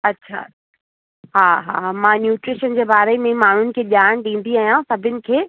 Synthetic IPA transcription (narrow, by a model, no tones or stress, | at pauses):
ɐtːɕʰa̰ː | ɦaːɦa̰ːmãːnjuːʈɾɪʃənd͡ʑeːbaːɾemẽmaːɳ̤ʊnɪ̆kʰeːʄaːñɗĩːn̆d̪iaːɦijãsɐbʱɪnɪ̆kʰeː